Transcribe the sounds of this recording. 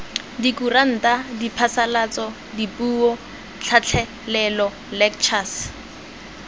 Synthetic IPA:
dikuran̩tadipʰasalat͡sɔ | dipʼuːɔ | t͡ɬʰat͡ɬʰɛ | lɛlɔ | lɛk̚t͡ʃʰas

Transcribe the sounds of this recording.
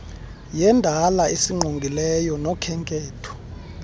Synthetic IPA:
jɛndʱalaʔesiŋ͡ǃʱoŋɡʱilɛjɔnɔkʰɛŋkʼeːtʰɔ̥

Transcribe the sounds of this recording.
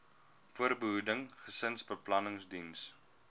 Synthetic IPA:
fuərbəɦudəŋχəsənsbəplɐnəŋsdins

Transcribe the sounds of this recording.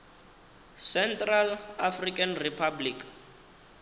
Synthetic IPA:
sɛntralafrikʼanripʰablikʼ

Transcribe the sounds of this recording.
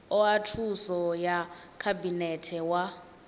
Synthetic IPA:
ɔatʰusɔjakʰabinɛtʰɛwa

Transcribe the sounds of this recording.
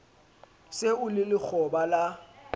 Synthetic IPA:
seʊlɪlɪk͡xʰɔbala

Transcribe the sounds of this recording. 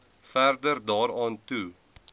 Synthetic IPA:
færdərdɑːɾɑːntu

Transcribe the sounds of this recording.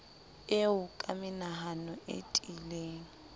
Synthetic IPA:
eʊkʼamɪnaɦanɔʔḛtʼileːŋ̩

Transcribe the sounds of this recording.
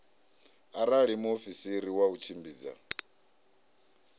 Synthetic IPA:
aɾaɺimuofisiɾiwaut͡ʃʰimbiːd͡za̰

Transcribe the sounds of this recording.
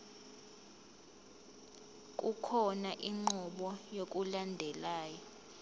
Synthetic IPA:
kʼukʰɔnaʔiŋ͡ǃɔɓɔjok̬ʼulandʱɛlaːjɔ

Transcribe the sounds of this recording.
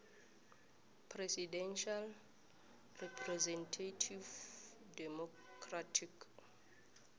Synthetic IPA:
pʰrɛsidɛ̃nʃal | rɛpʰrɛzɛ̃ntʰatʰiv | dɛmɔ | kʰratʰik

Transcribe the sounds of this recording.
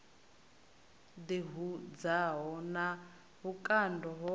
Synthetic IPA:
d̪iɦud͡zaɦɔna | ɦukʼandɔɦɔ

